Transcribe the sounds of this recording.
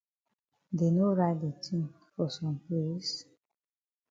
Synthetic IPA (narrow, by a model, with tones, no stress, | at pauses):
de˨no˦ɹa˦de˨tʰĩ˦ŋ | fɔ˨sɔ̃˨mple˦s